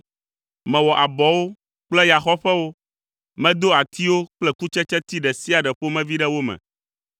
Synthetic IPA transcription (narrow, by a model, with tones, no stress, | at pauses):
mɛ̃˨wɔ˨ʔa˨bɔ˨wo˦ | k͡plɛ˦ja˨xɔ˦ɸɛ˦wo˦ | mɛ̃˦d̪o˦a˨t̪i˦wo˦k͡plɛ˦ku˦t͡ʃɛ˦t͡ʃɛ˦t̪i˦ɖɛ˨si˦a˨ɖɛ˨ɸo˦mɛ̃˦vi˦ɖɛ˦wo˦mɛ̰̃˨